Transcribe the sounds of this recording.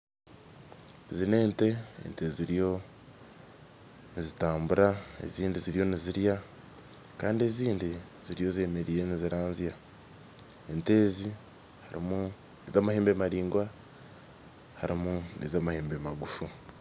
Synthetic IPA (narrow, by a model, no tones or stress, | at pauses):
ezine̞ːnte̞ḛnte̞ziɾijo̞ | nizitaːmbuɾae̞̰ziːndiziɾijo̞niziɾja | kaːndie̞ziːndi | z̥iɾijo̞zieːme̞ɾiːɾe̞niziɾaːnzija | e̞nte̞ːzi | haɾḭmu | ezaːmaheːmbe̞maɾiːŋɡwa | haɾimunezamaheːmbemaɡufu